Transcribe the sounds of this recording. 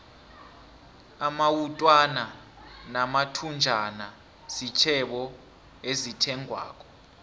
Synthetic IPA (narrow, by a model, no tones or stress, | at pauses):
amawutʼwana | namatʰund͡ʒʱana | sit͡ʃʰɛɓɔ | ezitʰɛŋʱwa̰ːk̬ʼɔ